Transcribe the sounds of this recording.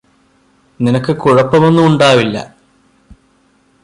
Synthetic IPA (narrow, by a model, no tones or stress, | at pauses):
ninɐkːɨkuɻɐpːɐmonːumuɳɖaːʋilːɐ̰